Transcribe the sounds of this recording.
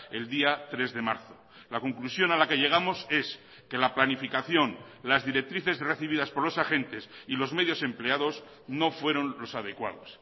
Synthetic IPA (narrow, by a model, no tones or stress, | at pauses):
eld̪iat̪ɾe̞zðe̞maɾθo | lako̞ŋklusjo̞nalake̞ʝe̞ɣ̞amo̞se̞s | ke̞laplanifikaθjo̞nlazðiɾe̞k̚t̪ɾiθe̞zre̞θiβiðaspo̞ɾlo̞saxẽ̞nt̪e̞silo̞zme̞ðjo̞se̞mpleaðo̞s | no̞fwe̞ɾo̞nlo̞saðe̞kwa̰ð̞os